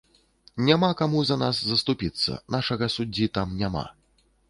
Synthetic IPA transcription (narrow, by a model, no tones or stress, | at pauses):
nʲamakamuzɐnaszɐst̪upʲit̪sːɐ̰naʂɐɣɐsud͡zʲːit̪amnʲama̰